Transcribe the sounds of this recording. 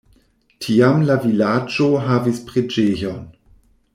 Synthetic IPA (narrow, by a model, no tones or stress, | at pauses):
tʰiːamlavilaːd͡ʒoɦaːvispʁ̥ed͡ʒeːjon